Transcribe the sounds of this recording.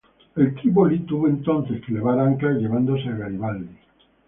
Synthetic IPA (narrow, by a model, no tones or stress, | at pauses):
elt̪ɾiβolit̪uβoẽnt̪on̟θeskeleβaɾaŋkaʎeβand̪oseaɣaɾiβald̪i